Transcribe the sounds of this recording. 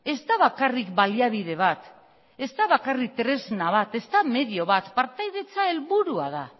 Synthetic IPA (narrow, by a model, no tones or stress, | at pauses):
e̞zt̪aβakarikbaliaβið̞e̞β̞at̪ | e̞zt̪aβakarik̚t̪ɾe̞znaβat̪e̞zt̪ame̞ðio̞βat̪paɾt̪ajðe̞t͡sae̞lβuɾua̰ða